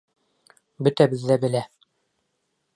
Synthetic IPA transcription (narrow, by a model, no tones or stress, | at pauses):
bɵ̆t̪æbɘ̆ðːæbɘ̆læ